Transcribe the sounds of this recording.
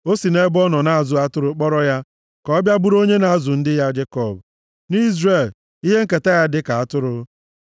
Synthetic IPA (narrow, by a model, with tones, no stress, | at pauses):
o˦si˨ne˦bɔ˦nɔ˨na˦a˦˨zʊ˨a˦tʊ˦ɾʊ˦k͡pɔ˦ɾɔ˦ja˦ | kɔ˦bja˦bu˦ɾo˦ɲe˦na˨a˦zʊ˨n̩˦dɪ˦ja˦d͡ʒe˦kɔ˨b̚ | ni˦zre˨l | i˦ɦe˦ŋ̩˦ke˨ta˦ja˦dɪ˦ka˨a˦tʊ˦ɾʊ˦